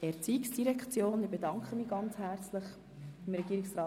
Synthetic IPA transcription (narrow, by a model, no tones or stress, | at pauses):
ɛɾt͡siːksd̥iɾɛkʰt͡sjoːnɪb̥edɑŋkχəmiːɡ̥ɑnt͡shæɾt͡slɪχ | ɪmɾɛɡiːɾɪksrɑː